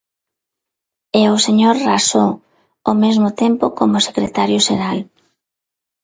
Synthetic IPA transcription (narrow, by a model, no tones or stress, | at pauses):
eoseɲoɾraso | omezmot̪empokomose̥kɾet̪aɾjʊʃeɾal